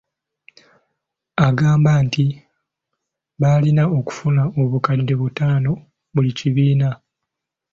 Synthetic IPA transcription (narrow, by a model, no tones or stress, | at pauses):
aɡaːmbaːnti | βalinao̞ku̥funao̞βukadːe̞βutaːno̞ | βuliciβiːna